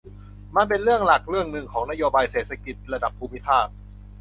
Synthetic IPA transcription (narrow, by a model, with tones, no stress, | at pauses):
ma˧np̬e˧nɾɯ˥˩əŋla˨˩k̚ɾɯ˥˩əŋnɯ˨˧ŋkʰɔː˩˦ŋna˦˥joː˧baː˧jseː˨˩t̪̚sʰa˧ki˨˩t̪̚ɾa˧da˨˩pʰːuː˧mi˦˥pʰaː˥˩t̪̚